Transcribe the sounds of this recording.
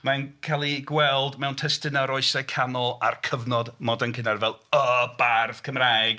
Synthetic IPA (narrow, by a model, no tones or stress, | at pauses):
mankʰalˠiɡwɛlˠdmɛwntʰɛstɪnaɾɔɨsɛkʰanɔlˠa̰rkʰəvnɔdmɔdankʰɪnarvɛlˠəbarfkʰəmrajɡ̥